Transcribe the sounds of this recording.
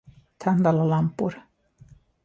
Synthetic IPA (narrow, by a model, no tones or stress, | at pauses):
t̪ʰand̪alˠalampuɾ